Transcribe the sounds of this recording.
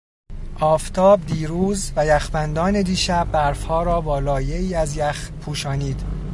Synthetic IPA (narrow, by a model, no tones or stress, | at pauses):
ʔɒːft̪ʰɒːbd̪iːɾuːzvæjæxbænd̪ɒːne̞d̪iːʃæbːæɾfhɒːɾɒːbɒːlɒːjeiːæzjæx | pʰuːʃɒːniːd̪̥